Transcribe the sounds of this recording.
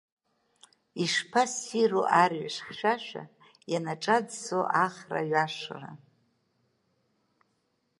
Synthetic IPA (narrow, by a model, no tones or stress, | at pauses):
iʂpʰasiroʔarɥaʂχʃʷᶣaʃᶣʷa̰ | janaʈ͡ʂʼad͡zsoʔaχra̰ɥaʂra̰